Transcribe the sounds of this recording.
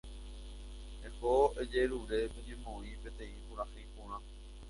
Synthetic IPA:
ẽhoed͡ʒe̞ɾuɾe̞pẽɲẽmõĩpe̞t̪ẽ̞ĩpũɾãhẽjpõɾ̃ã

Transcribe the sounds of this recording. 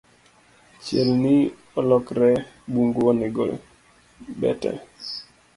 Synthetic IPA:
t͡ʃjelni | ɔlɔkɾɛ | buŋɡɔnɛɡo̰ | bɛ̰tɛ̰

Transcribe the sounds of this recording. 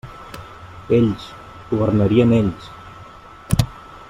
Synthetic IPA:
eʎs | ɡuβəɾnəɾiəneʎs

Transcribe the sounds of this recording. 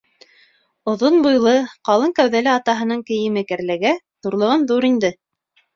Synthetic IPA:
ŏðonbujlˠɤqɑlˠɤŋkæwðælɘɑt̪ɑɦɤ̆nɤɴkɘ̆jɘ̆mɘkæɾlɘɡæ | ðuɾlˠɤ̆ʁɤnðuɾind̪ɘ

